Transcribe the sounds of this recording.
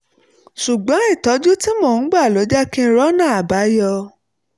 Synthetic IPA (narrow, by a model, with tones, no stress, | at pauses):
ʃu˨ɡ͡bã˨˦i˦˨tɔ˨˦d͡ʒu˦ti˦mɔ̃˦˨n̩˨˦ɡ͡ba˦˨lo˨˦d͡ʒa˦kĩ˦˧ɾɔ˦nãː˦˨a˨ba˨˦jɔ˧